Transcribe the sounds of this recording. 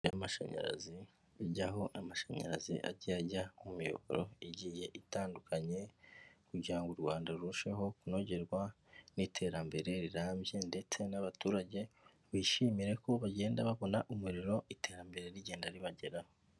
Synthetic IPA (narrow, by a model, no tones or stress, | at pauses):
jamaʃa̰ɲa̰ɾa̰zi | iɟaɦo̞namaʃaɲa̰ɾa̰zḭʔa̰ɟiaɟaumujo̰βo̰ɾo̞̰iɟije̞ʔitaːndukʰaɲe̞kuɟaːŋɡuɾɡwaːndaɾuʃe̞ɦo̞kuno̞ɟe̞ɾɡwa | nitʰe̞ɾambe̞ɾe̞ɾiɾaːmbje̞nde̞t͡se̞naβatuːɾaɟe̞ | βiʃiːmiɾe̞koβaɟe̞ːndaβaβo̞naʔumuɾiɾo̞ite̞ːɾambe̞ɾe̞ɾiɟe̞ːndaɾiβaɟe̞ɾaho